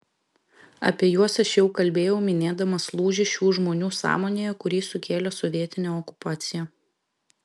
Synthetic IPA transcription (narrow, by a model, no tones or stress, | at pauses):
ɐ̰pʲiɛjuɔsɐʃjɛʊkɐlʲbʲeːjɛʊmʲɪnʲeːd̪ɐmɐslˠuːʒʲɪʃʲuːʒmoːnʲuːsɑ̰ːmoːnʲeːjɛkʊɾʲiːsʊkʲeːlʲɛsɔʋʲiɛt̪ʲɪnʲɛːɔkʊ̥pɑːt̪sʲɪjɛː